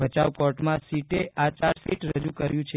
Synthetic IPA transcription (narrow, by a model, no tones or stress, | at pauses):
bət͡ʃaʋkɔʈmãsiʈeʔat͡ʃaɾfiʈɾəd͡ʒukəɾjũt͡ʃʰe